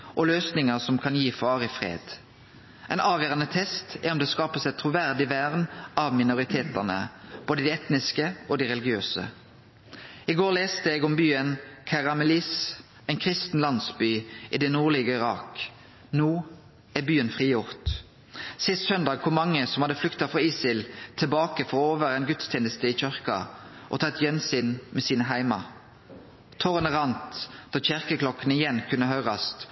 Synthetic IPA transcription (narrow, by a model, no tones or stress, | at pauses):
ʔɔløːsnɪŋəʁsɔmkʰɑnjiːfɑːʁɪfʁḛːd̪̥ | ʔɛːnʔɑːʋjøːʁɑnət̪ʰɛst̪ɛɔmd̪ɛːskɑːpəsɛt̪ʰʁʊʋæʁd̪ɪʋæʁnɑʋmɪnʊʁɪt̪ʰeːt̪əʁnə̰b̥oːd̪əd̪iːɛt̪nɪskəʔoːd̪iːʁɛlɪɡɪøːsə̰ | ɪɡoːʁleːst̪əɛɡɔmbyːənkʰɑʁɑmɛlis | ɛɪnkʰʁɪst̪n̩lɑnsbyːʔiːd̪ɛnuːʁliːɡəɪʁɑːk | nuː | æbyːənfʁiːjʊʁt̪ | sɪst̪sœnd̪ɑːɡ̚kʰʊmɑŋːəsɔmhɑd̪əflʏkt̪ɑfʁɑːiːsɪlt̪ʰɪlbɑːkəfɔʁoːʋəʁæɛɪnɡʉt̪st̪ʰɛːnəst̪əiːc͡çœʁkɑ̰ʔo̰ːt̪ʰɑt̪jɛnsyːnmʔɛsiːnəɦæɪmɑ̰ | t̪ʰɔʁənəʁɑnt̪d̪̥ɑːçɪʁkəklɔkːənəɪjɛnkʰʉnːəhœʏʁɑst̪